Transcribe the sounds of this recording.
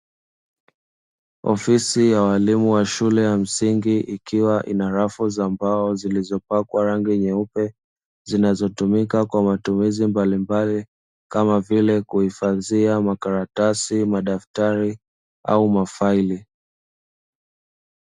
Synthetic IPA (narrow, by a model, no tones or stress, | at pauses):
ɔ̰fisijawalimuwaʃulɛjam̩siŋɡiʔikiwaʔḭnaɾafuzambaɔzilizɔpakwaɾaŋɡiɲɛupɛ | zinazɔtumikakwamatumizimbalimbali | kamavilɛkuhifaðiamakaɾatasimaɗaftaɾi | a̰umafaili